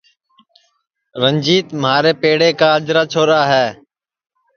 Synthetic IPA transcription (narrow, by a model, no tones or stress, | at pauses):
ɾənd͡ʒiːt̪məaːɾeːpeːɽeːkaːəd͡ʒɾaːt͡ʃʰoːɾaːɦɛː